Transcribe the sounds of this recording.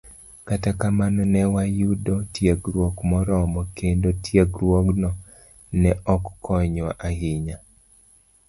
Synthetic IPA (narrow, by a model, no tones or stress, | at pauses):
katakamanɔnɛwajudɔtjeɡɾwokmɔɾɔmɔkendotjeɡɾwoɡnɔ | nɛʔɔkːɔɲwa̰ʔahɪɲa